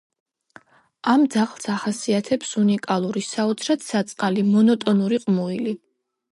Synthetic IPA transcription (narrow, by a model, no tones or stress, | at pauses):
amd̪zaχlˠsaχasiat̪ʰɛpsunikʼalˠuɾisaɔt̪sʰɾat̪sat̪sʼqʼalimɔnɔt̪ʼɔnuɾiqʼmuili